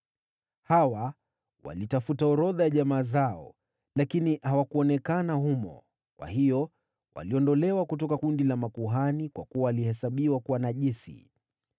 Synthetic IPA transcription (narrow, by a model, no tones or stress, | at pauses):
hawa | wa̰litafutaɔɾɔðajaʄamaːzaɔ | lakinihawakuɔnɛkanahumɔ̰ | kwa̰hijɔ | wa̰liɔndɔlɛwakutɔkakundilamakuɦanikwakuaːlihɛsaɓiwakuwanaʄisḭ